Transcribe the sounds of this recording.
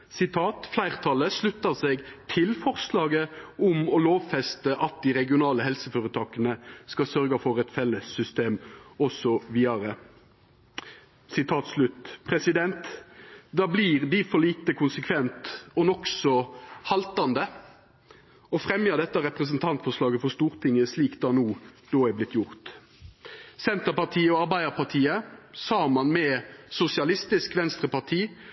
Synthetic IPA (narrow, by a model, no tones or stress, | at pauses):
sɪt̪ʰɑːt̪flæɪʁt̪ʰɑləslʉt̪ːəʁseːɡt̪ʰɪlfɔʁslɑːɡəʊmɔloːʋfɛst̪əʔɑt̪̚d̪iʁɛɡɪʊnɑːləɦɛlsəføːɾət̪ʰɑːkənəskɑsœʁɡəfɔʁɛt̪fɛlːəsːʏst̪eːmɔsɔʋiːɑɾə | sɪt̪ʰɑːt̪slʉt̪pʰʁɛsɪd̪ɛnt̪d̪ɑːbliːʁd̪ifɔliːt̪əkʰʊnsəkʰʋɛnt̪ɔnɔksɔhɑlt̪ɑnd̪ə | ɔfʁɛmjəd̪ɛt̪ːəɾɛpʁəs̬ənt̪ʰɑnt̪fɔʂlɑːɡəfɔst̪uːɾt̪ʰɪŋəsliːkd̪ɑnuːd̪̥oːæblɪt̪jʊʁt̪ | sɛnt̪əpɑʁt̪ʰiːəɔɑʁbæɪd̪əɾpʰɑʁt̪ʰiːəsɑːmɑnmɛsʊsɪɑlɪst̪ɪskʋɛnst̪ʁəpɑʁt̪ʰiː